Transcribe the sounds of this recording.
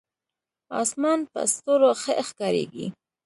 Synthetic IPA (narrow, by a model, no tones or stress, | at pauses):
ɑ̰smɑnpə̰st̪oɾoxəʔxkɑɾḛɡḭ